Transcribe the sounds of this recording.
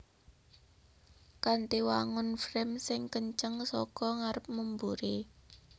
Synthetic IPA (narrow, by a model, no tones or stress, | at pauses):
kant̪iwaŋʊnfɾɛmsɪŋkəɲt͡ʃəŋsɔkɔŋaɾəp̚mumbuɾe